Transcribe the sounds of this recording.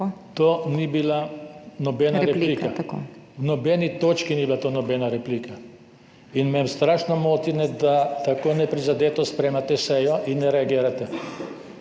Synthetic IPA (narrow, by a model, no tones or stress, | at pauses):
t̪oːnibilanɔbɛːnaɾɛiːkawnɔbɛnit̪oːt͡ʃkiniːbilat̪oːnɔbɛːnaɾɛpliːkʰa | inmɛmst̪ɾaːʃnɔmoːt̪inɛd̪at̪akoːnɛpɾizad̪eːt̪ɔspɾeːmat̪ɛsɛjɔʔinːɛɾɛaɡiːɾat̪ɛ